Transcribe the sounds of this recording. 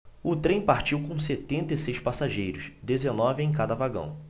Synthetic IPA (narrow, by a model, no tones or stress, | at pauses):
ʊt̪ɾẽj̃paɾt͡ʃiwkõw̃set̪ẽnt̪ɐisejʃpasaʒejɾʊsd̪ezenɔvɪẽj̃kad̪ɐvaɡɐ̰̃w̃